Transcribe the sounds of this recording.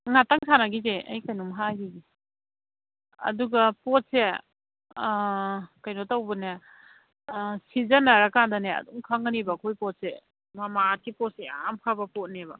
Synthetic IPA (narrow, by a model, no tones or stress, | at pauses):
ŋataŋsʰanaɡizeʔɐ̰jkajnumɦaɡiɡi | ɐ̰duɡɐpɔt̚se | kɐjnotawbune | sizɐnːɐɾakandɐneɐ̰duŋkʰaŋanibɐkʰojpɔt̚se | mamat̚kipɔt̚sea̰mkʰabɐpɔt̚nebɐ